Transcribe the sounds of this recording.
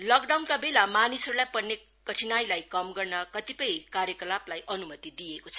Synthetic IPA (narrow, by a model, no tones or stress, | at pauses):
lʌkɖawnkabelamanisʌɾulajpʌrne | kʌʈʰinajlajkʌmɡʌrnʌkʌt̪ipʌjkaɾjʌkʌlaplajʔʌnumʌt̪id̪iekot͡sʰʌ